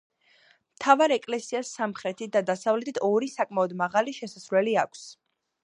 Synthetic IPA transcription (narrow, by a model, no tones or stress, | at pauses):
mt̪ʰavaɾɛkʼlɛsiasːamχɾɛt̪ʰit̪̚d̪ad̪asavlɛt̪ʰit̪ʰɔɾisakʼmaɔd̪maʁaliʃɛsasɾlɛliakʷʰs